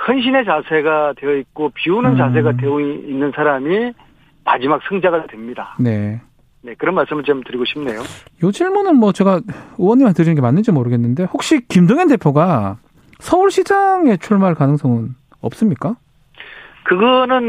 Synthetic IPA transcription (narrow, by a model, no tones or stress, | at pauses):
hʌnɕ̬ʰine̞t͡ɕasʰe̞ɡatwe̞ʌik͈opiunɯnt͡ɕasʰe̞ɡadweoinːɯnsʰaɾami | mad͡ʑimak̚sʰɯŋd͡ʑaɡatwe̞mɲidane̞ | ne̞kɯɾʌnmaɭs͈ɯmɯɭt͡ɕamtɯɾiɡoɕʰimne̞jojod͡ʑiɭmunɯnmwʌt͡ɕe̞ɡaowʌɲːimatɯɾinɯnɡe̞manːɯnd͡ʑimoɾɯɡe̞nːɯnde̞hok̚ɕ͈ikimdoŋende̞pʰjoɡa | sʰʌuɭɕʰid͡ʑaŋe̞t͡ɕʰuɭmaɭkanɯŋs͈ʌŋɯn | ʌ̰p̚s͈ɯmɲik͈a | kɯɡʌnɯn